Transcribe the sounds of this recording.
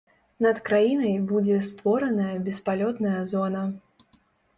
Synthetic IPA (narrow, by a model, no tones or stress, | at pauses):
nɐt̪kɾajinɐjbud͡zʲɛst̪vɔɾɐnɐjɐbʲɛspalʲɔt̪nɐjɐzɔnɐ